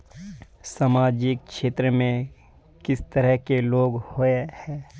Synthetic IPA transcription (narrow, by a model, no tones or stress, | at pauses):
saːmaːd͡ʒɪk̚ʃeːt̪ɾəmẽ | kɪst̪əɾəɦkeloːɡhoːehɛː